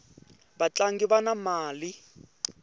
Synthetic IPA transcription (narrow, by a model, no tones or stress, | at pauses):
bat͡ɬaŋɡiβanamaːli